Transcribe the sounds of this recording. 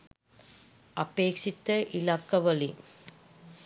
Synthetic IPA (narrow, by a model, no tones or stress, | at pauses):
ɐpeːkʂit̪ːɐʔilɐkːɐʋɐli